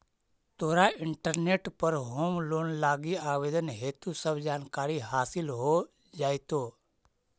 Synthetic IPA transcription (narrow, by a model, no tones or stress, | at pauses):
t̪oːɾaɪɳʈəɾneːʈpəɾɦoːmloːnlaːɡiaːʋeːd̪ənɦeːt̪usəbd͡ʒaːnkaːɾiɦaːsɪlɦo | d͡ʒaːjt̪oː